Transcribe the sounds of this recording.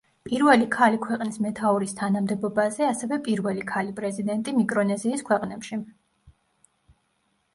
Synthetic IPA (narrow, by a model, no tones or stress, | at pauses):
pʼiɾvɛlikʰalikʰwɛqʼnismɛt̪ʰauɾist̪ʰanamd̪ɛbɔbazɛasɛvɛpʼiɾvɛlikʰalipʼɾɛzid̪ɛnt̪ʼimikʼɾɔnɛziːskʰwɛqʼnɛpʃi